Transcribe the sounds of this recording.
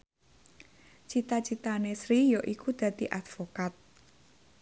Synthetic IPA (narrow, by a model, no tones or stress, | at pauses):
t͡ʃit̪at͡ʃit̪anesɾijoʔikud̪̥ä̤d̪iʔat̪fokat̪̚